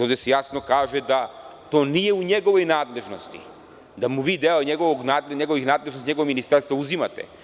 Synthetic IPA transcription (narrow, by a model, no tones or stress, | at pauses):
ɔvd̪ɛsɛjasnokaʒɛd̪at̪oniɛuɲɛɡovojnad̪lɛʒnost̪ḭ | d̪amuvid̪ɛlɔɲɛɡovɔɡnad̪lɲɛɡovixnad̪lɛʒnosɲɛɡovminist̪ɛɾst̪vauzimat̪ɛ̰